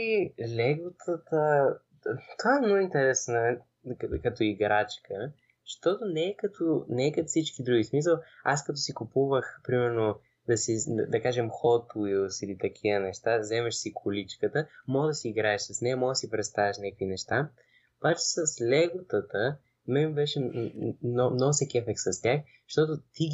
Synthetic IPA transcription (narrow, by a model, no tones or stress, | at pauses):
ilʲɛɡʊt̪ʰət̪ə | t̪ovaɛmnoint̪ɛɾɛsnə | kɐt̪oiɡɾat͡ʃkʰə | ʃt̪ɔt̪onɛːkɐt̪ʰonɛkɐt̪fsit͡ʃk̟id̪ɾuɡʲismis̬əlˠaskɐt̪osikupuvəxpɾimɛɾno | d̪ɐsid̪ɐkaʒɛmxɔt̪uilˠsilit̪ɐk̟ʰiənɛʃt̪azɛmɐʃsikʰʊlit͡ʃkət̪əmɔɡd̪ɐsiːɡɾaɛʃsɐsnɛəmɔɡd̪ɐsipɾɛt̪st̪avɛʃnʲakvinɛʃt̪a | obat͡ʃɛ̥sɐslʲɛɡʊt̪ət̪ə | mɛbɛʃɛnmnoɡsɛkʲɛfɛk̚t̪sɐst̪ʲax | ʃt̪ɔt̪ʊt̪i